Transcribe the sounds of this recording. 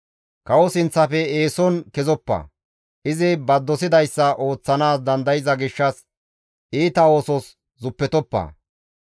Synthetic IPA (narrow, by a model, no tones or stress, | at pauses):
kɐwɔsɪnt͡sːɐfɛeːsɔnkɛzɔpːɐ̰ː | ʔɪzɪbɐd̪ːɔsɪd̪ɐjsːɐʔo̞ːt͡sːɐnaːs̬d̪ɐnd̪ɐjɪzɐɡɪʃːɐs | ʔiːt̪ɐo̞ːsɔs | zʊpːɛt̪ɔpːɐ̰ː